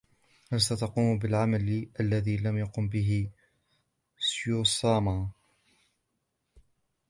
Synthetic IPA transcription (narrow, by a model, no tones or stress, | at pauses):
halsat̪ɑquːmbɪlʕamalʔalːaðiːlamjaqʊmbɪɦɪ | sjusˤɑːma